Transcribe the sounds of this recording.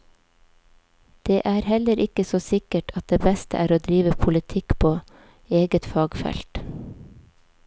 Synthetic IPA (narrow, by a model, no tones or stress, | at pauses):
d̪̥eːʔæːɾhɛləɾʔɪkəsoːsɪkəʈʰɑt̪̚d̪eːbɛst̪ə̰ʔæːɾoːd̪ɾiːʋəpʰʊlɪt̪ʰɪkpʰoː | eːɡət̪fɑːɡfɛ̰lt̪